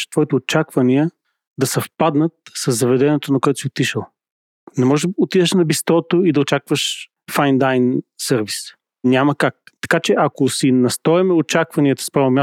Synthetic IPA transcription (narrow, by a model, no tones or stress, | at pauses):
ʃt̪v̥ɔit̪ɛot͡ʃakvɐniə | d̪ɐsɐfpad̪nət̪̚sɐzːɐvɛd̪ɛniɛt̪onɐkoɛt̪ʊ̥siot̪iʃəlˠ | nɛmɔʒot̪id̪ɛʃnɐbist̪ɾɔt̪oid̪ɐot͡ʃakvəʃ | fajnd̪ajnsəɾvis | nʲaməkak̚t̪ɐ̥kat͡ʃɛʔɐkosinɐst̪ɔɛmɛot͡ʃakvɐniət̪ə̥spɾavnomja